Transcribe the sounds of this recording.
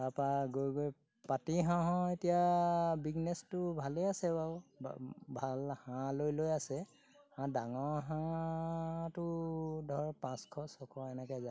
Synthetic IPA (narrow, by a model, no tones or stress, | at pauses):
bapaɡojɡoj | patiɦãɦɔ̃etijabiɡnɛstʊbʱaleasɛbaw | bʱalhãlojlojasɛ | hãdaŋɔɹɦã | tʊdʱɔɹpãskʰɔsɔkʰɔɛnɛkɛza